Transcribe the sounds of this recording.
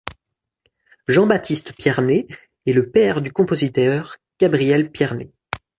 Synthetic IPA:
ʒɑ̃bat̪ʰist̪pjɛʁneː | ləpɛʁd̪ykɔ̃pozit̪œʁɡ̥abʁijɛlpjɛʁne

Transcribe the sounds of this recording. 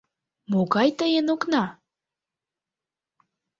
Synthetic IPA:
moɣɑjt̪əjənoknɑ

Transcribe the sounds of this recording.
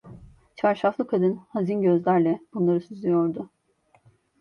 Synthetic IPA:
t͡ʃʰaɾʃaflˠɯkʰad̪ɯnhazinɟø̞zlʲæɾlʲɛb̥unlˠaɾɯsyzlʲijo̞ɾd̪ʊ

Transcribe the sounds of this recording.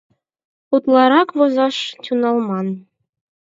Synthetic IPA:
ut̪lɑɾɑkβozɑʃtʲunɑlmɑn

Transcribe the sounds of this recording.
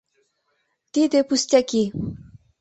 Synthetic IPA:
t̪id̪epust̪jaki

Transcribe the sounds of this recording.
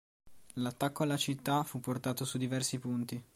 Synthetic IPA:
lat̪ːakːoalːat͡ʃit̪ːafupːort̪aːt̪osud̪ivɛrsipunt̪i

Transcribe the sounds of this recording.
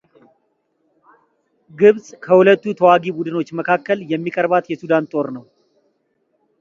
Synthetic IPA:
ɡɨβsʼkʰəhulət̪ːut̪ʰəwaɡibud̪ɨno̞t͡ʃːməkʰakːəljɛmːikʼəɾbat̪jɛsud̪ant̪ʼo̞ɾnəw

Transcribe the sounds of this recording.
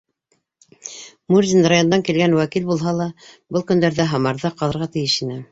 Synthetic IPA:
muɾzʲinɾajo̞nd̪ɑŋkilɡænwækilbulˠɦɑlˠɑbɤlˠkɵ̆nd̪æɾðæɦɑmɑɾðɑqɑlˠɤ̆ɾʁɑt̪ɘ̆jɘʃinɘ

